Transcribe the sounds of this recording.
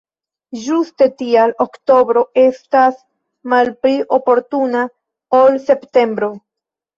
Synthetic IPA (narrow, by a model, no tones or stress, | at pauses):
d͡ʒuste̞tialokto̞bɾo̞e̞stas | malpɾiʔo̞po̞ɾtuna | o̞lse̞pte̞mbɾo̞